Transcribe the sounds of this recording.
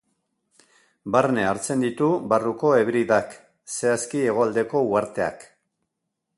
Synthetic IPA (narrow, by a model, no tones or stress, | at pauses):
barne̞aɾt͡se̞nd̪it̪ubaruko̞e̞βɾiðak | se̞askie̞ɣ̞o̞ald̪e̞ko̞uaɾt̪e̞a̰k